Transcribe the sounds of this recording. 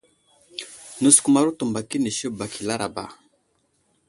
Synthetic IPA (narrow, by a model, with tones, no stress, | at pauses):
nu˨sku˨ma˨ɾu˦tu˨mba˨ki˦ni˨ʃi˦ba˨ki˨la˦ɾa˨ba̰˨